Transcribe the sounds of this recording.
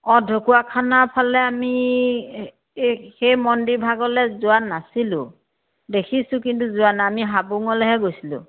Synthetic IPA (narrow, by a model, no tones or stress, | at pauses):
ɔdʱokuakʰanapʰalɛami | xejmɔndibʱaɡɔlɛzʊanasilʊ̰̃ | dekʰisʊ̃kintuzʊanaamiɦabuŋɔlɛɦɛɡojsilʊ̰̃